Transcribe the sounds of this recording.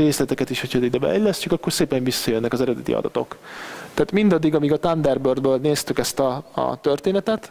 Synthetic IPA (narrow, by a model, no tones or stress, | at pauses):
ɾeːslɛt̪ɛkɛt̪iʃho̞cʰɒid̪ɛbɛ̰ɛlːɛscykɒkːo̞rseːpɛɱvisːɒjønːɛkɒzɛɾɛd̪ɛt̪ḭɒ̰d̪ɒ̰t̪o̞̰kt̪ɛaːt̪mind̪ɒd̪ːiɡɒmiɡɒt̪and̪ɛrbørd̪bøːlneːst̪ykɛst̪ɒ̰t̪ørt̪eːnɛt̪ɛt̪